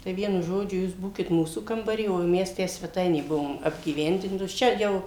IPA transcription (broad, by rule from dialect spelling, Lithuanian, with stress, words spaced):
tɐɪ ˈʋʲiɛnʊ ˈʒoːd͡ʒʲʊ ˈjuːs ˈbuːkʲɪt ˈmuːsuː kɐmbɐˈrʲiː oː ˈmʲɛs ˈtʲæː sʲʋʲɛˈtɐɪnʲeː ˈbʊʋoːm ɐbʲɡʲiːˈʋʲɛnʲdʲɪntoːs ˈt͡ʃʲɛ jɛʊ